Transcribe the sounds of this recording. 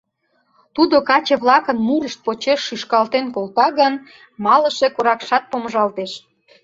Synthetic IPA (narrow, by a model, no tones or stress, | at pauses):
t̪ud̪okɑt͡ɕeβlɑkənmuɾəʃt̪̚pot͡ɕeʃːyʃkɑlt̪enkolt̪ɑɣən | mɑləʃe̽koɾɑkʃɑt̪̚poməʒɑlt̪eʃ